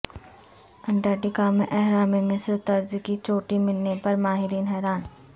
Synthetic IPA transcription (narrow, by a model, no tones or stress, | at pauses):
ɐ̃ɳʈaːʈikaːmẽʔɛɦɾaːmemɪ̃sɾt̪ɐɾd͡ʒkit͡ʃoːʈimɪlːepɐɾmaːɦɪɾiːnɦɛːɾaːn